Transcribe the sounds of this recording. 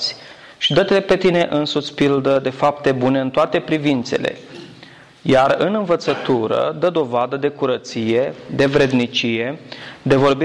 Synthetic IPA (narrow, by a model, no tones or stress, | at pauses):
sʲ | ʃid̪ət̪elepe̞t̪ine̞ʔɨnsut̪sʲpild̪əd̪e̞fapt̪e̞bune̞ɨnt̪oat̪e̞pɾivint̪se̞̰le̞̰ | jarɨnɨɱvət̪sət̪uɾə̰d̪əd̪o̞vad̪əd̪e̞kuɾət̪sije̞d̪e̞vɾe̞d̪nit͡ʃije̞d̪e̞vo̞rbi